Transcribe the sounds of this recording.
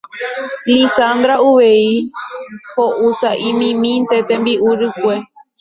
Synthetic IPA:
lisand̪ɾauʋe̞i | hoʔusaʔĩmĩmĩnt̪e̞t̪ẽmbiʔuɾɨkʷe

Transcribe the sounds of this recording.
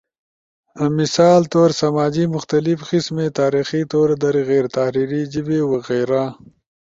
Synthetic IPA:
misaːlt̪oːɾsamaːd͡ʒimʊxt̪alifqismet̪aːɾixit̪oːɾd̪ɐɾiɣeːɾt̪ahɾiɾid͡ʒibewaɣeɾa

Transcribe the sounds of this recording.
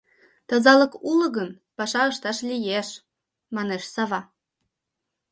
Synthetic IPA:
t̪ɤ̆zɑlɤkulɤ̆ɣən | pɑʃɑəʃt̪ɑʃlʲijeʃ | mɑneʃsɑβɑ

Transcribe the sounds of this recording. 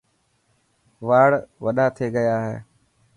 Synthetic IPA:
ʋaːɽʋəɗaːt̪ʰeːɡəjaːɦḛː

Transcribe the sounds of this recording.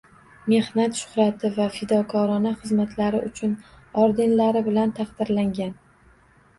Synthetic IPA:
me̞hnat̪ʃʊ̥χɾat̪ʰɪvafɪd̪ɒkʰɒɾɒnaχɨzmat̪ʰlaɾɪʔʊt͡ʃʰʊn | ɒɾd̪ɪnlaɾɪbɪlant̪ʰɑqd̪̥ɪɾlaŋɡʲan

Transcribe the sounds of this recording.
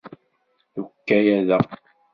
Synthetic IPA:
θukːæjæðæ

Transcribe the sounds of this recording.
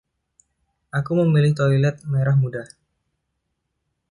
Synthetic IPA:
ʔakuməmilɪht̪oilɛt̪̚meɾahmudah

